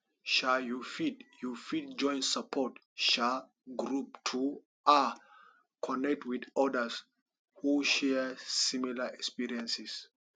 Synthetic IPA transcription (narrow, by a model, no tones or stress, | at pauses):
ʃaljufidjufid̚d͡ʒɔ̃j̃nsapʰɔt | ʃa | ɡɾup̚tʰu | ʔa | kʰɔnɛk̚tʰwidɔdəs | huʃɛsimilaɛkspiɹiɛ̃nsis